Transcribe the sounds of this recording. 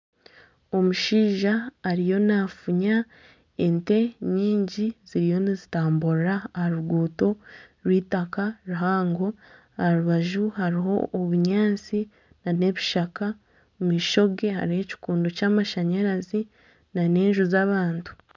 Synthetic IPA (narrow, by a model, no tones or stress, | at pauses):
o̞muʃiːʒaːɾijo̞nafuɲa | ente̞ɲiːɲɟiz̥iɾijo̞nizitaːmbuɾɾaːhaɾuɡuːto̞ɾwiːtakaɾuɦaːŋɡo̞ | aɾuβaʒuhaɾiɦo̞ʔːβuɲaːnt͡si | nane̞βiʃaka | miʃo̞ɡe̞ha̰ɾihe̞ci̥kuːndocaːmaʃaɲaɾazi | nane̞ːɲʒuzaβaːntu̥